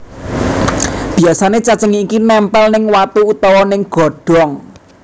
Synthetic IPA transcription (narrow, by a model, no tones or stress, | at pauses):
b̥iasanet͡ʃat͡ʃəŋiːkinɛmpɛlnɪŋwat̪uut̪ɔwɔnɪŋɡ̥ɔ̤ɖ̥ɔŋ